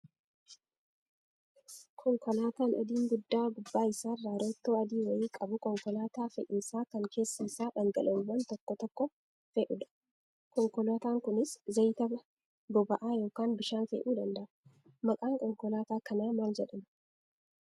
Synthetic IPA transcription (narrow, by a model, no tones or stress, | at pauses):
kʰɔŋkɔlaːt̪aːnʔɔ̰d̪iːŋɡʊd̪ːaːɡʊbːaːɪsaːrːaːɾot̪ːoːɐd̪iːwɐjiːkʼɐbʊkɔŋkɔlaːt̪aːfɛʔiːsaːkɐŋkʰe̞ːsːɐɪsaːᶑɐŋɡɐlʔɐʊwːɐnt̪ɔkːɔt̪ɔkːɔ | feːʔʊᶑ̪ɐ̥ | kɔŋkɔlaːt̪aːŋkʊnɪszɐjt̪ɐbɐ | bɔbɐʔaːjo̞ːkaːnbɪʃaːnfḛːʔuːd̪ɐnd̪ɐʔɐ | mɐkʼaːŋkɔŋkɔlaːt̪aːkɐnaːmaːld͡ʒɛᶑɐm